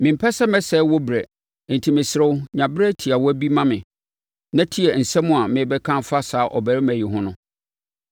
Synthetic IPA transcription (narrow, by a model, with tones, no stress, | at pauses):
mɪ̃˨m̩˨pʰɛ˦sɛ˦mɛ̃˦sɛ˦wɔ˦bɾɛ˨ | n̩˨tʰi˨mɪ̃˨sɪ˨ɾʊ˦wɲã˨bɾɛ˦tʰi˨a˨wɔ˦æ˦bi˦mã˦mɪ̃˨ | nã˦tʰi˦ɛ˨n̩˨sɛ̃˦mʊ̃˦a˨mɪ̃˨˦bɛ˦kʰã˦mfa˦saː˨˦ʔɔ̰˨bæ˨ɾɪ˦mæ̃˨ji˨ɦʊ̃˦nʊ̃˦